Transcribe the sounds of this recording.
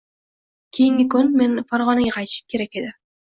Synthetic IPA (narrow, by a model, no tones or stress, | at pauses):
kʲʰijiŋkʲikɵnmenfaɾʁɑnijqɑjt̪ʃɯ̥mkʲeɾeked̪ɪ